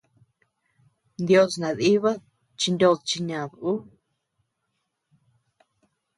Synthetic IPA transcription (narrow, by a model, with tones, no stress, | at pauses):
nd̪jo˧snã˨ði˦βa˦ | t͡ʃi˧nd̪ʲo˧ðt͡ʃi˧ɲã˨ðu˦